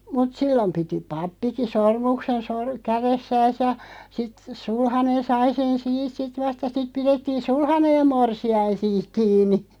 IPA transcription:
mut silːom piti pɑpːiki sormuksen sor kæresːæːs jɑ sit sulhɑnen sɑi sen siːt sit ʋɑst jɑ sit piretːiːn̞ sulhɑnej̆ jɑ morsiɑin̞ siːk̆ kiːnˑi

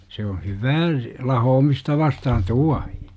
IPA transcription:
se on̞ hyʋæː lɑhoːmistɑ ʋɑstɑhɑn tuɑhi̥

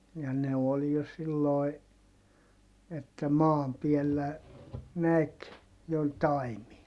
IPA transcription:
jɑ ne ol jo silːoi̯ etːæ mɑːm piɛlːæ næk jo tɑimiɑ

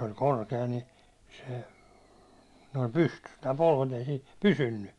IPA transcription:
olʲ korkeɑ ni se noim pystys tæː polʋet ei siːn̞ pysynːy

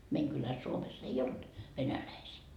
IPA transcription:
meiŋ kylæs suomesː ei olt ʋenælæisiː

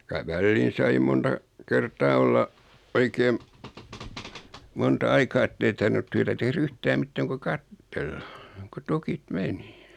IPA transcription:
kyæ ʋælːiːn sɑi montɑ kertɑː olːɑ oikeːm montɑ ɑikɑː etːei tɑrʋinut tyætæ tehr yhtæːm mitːæːŋ ku kɑtːelːɑ ku tukit meni

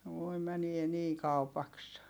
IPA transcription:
ʋoi mænie niː kɑupɑks

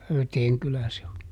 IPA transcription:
høyteːŋ kylæ se o

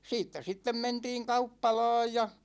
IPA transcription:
siːtːæ sitːem mentiːŋ kɑupːɑlɑ̝ːj jɑ

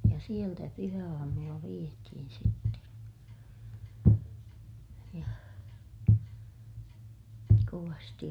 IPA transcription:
jɑ sieltæ pyhæɑːmulːɑ ʋietihin sitːen̞ jɑ koʋɑsti

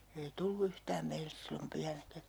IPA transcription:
ei tulːu yhtæːm meilːes silːom pyhænækæ

